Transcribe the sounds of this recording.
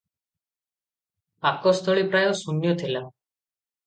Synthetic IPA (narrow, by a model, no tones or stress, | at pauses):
pakɔst̪ʰoɭipɾajosunjɔt̪ʰila